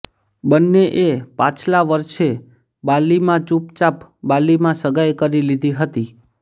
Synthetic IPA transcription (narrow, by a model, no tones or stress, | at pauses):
bənːeʔepãt͡ʃʰlaʋəɾʃe | balimãt͡ʃupt͡ʃapbalimãsəɡajkəɾilid̪ʱiɦət̪i